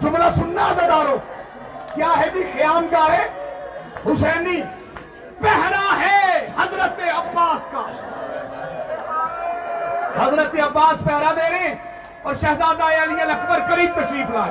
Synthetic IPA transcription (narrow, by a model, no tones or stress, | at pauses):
d͡ʒʊmlaːsʊnːaːzəd̪aːɾoː | kjaːɦɛːd̪iːxjaːmkaːɦeː | ɦʊsɛːniː | pɛɦɾaɦɛːhɐzɾət̪eɐbːaːskaː | hɐzɾət̪eɐbːaːspɛɦɾad̪eːɾẽ | ɔːɾʃɐɦzaːd̪aːjaːlijãlɐkʰbəɾkəɾiːb̚pəʃɾiːt̪ʰlaːe